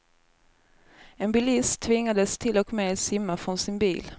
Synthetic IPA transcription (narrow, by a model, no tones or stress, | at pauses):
ɛnbɪlɪst̪ʰːvɪŋːad̪əst̪ʰɪlɔkmeːsɪmːafɾɔnsɪnbḭːl